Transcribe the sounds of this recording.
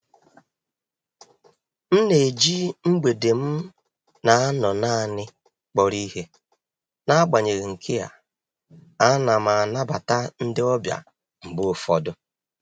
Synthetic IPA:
n̩˦ne˨d͡ʒi˦ŋ͡m̩˦ɡ͡be˨de˨m̩˦ | na˨a˦nɔ˨na˦˨nɪ˦ | k͡pɔ˨ɾi˦ɦe˦ | na˦a˦ɡ͡ba˨ɲe˨ɣi˨ŋ̩˨kʰɪ˦a̰˨ | a˦na˨ma˨a˨na˦ba˨ta˦n̩˦dɪ˦ɔ˦bja̰˨ | ŋ͡m̩˨bʊ˦fɔ˨dʊ˦

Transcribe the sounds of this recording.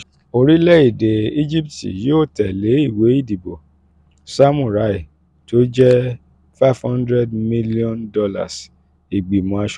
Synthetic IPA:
o˧ɾi˦lɛ˦i˨de˨i˦d͡ʒi˦p̚tḭ˨joː˦˨tɛ˨le˨˦i˦˨we˨˦i˦˨di˨bo˨ | sa˦mũ˨ɾa˨˦i˦˨ | to˦d͡ʒɛ˦ | fa˦fhɔ̃˦ndɾɛ˦dmi˦li˦ɔ̃˦ndɔ˧la̰˨s | i˨ɡ͡bi˨mɔ̃˧a˧ʃ

